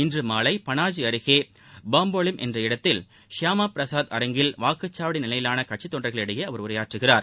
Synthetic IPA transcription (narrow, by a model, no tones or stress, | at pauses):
ɪndrɯmaːlɐɪpɐnaːd͡ʒiɐɾɯɣeː | baːmboːlɪmʔɛ̰ndrɐɪɽɐt̪ːɪl | ʂaːmaːpɪɾɐsaːd̪ɐ̰ɾɐŋɡɪlʋaːkɯt͡ʃːaːʋɐɽɪnɪlɐjɪlaːnɐkɐʈt͡ʃit̪ːoɔnɖrɐɪɣɐɭɛɽɯjeːɐʋɐɾʊɾɐjaːʈrɯɣɪraːɾ